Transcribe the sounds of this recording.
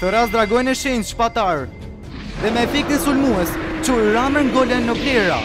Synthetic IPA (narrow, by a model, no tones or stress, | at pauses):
t̪əɾasd̪ɾaɡɔjnɛʃɛjnʃpat̪aɾ | ðɛmɛfik̚t̪əsulmuɛst͡ʃuɾaməŋɡɔlɛnːɔplɛɾa̰